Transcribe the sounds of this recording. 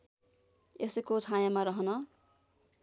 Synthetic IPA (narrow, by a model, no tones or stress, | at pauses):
esekod͡zʰʱãjamaɾʌɦʌnʌ